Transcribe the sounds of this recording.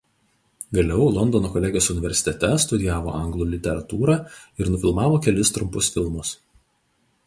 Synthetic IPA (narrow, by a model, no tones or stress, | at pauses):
ɡɐlʲɛʊlˠɔnd̪ɔnoːkɔlʲɛːɡʲɪjoːsʊnʲɪʋʲɛɾʲsʲɪ̥t̪ʲɛt̪ʲɛst̪ʊd̪ʲɪjæːʋo̰ʔɐŋɡlˠuːlʲɪt̪ʲɛɾɐt̪uːɾɑːɪɾnʊfʲɪlˠmɑːʋoːkʲɛlʲɪst̪ɾʊmpʊsfʲɪlˠmʊs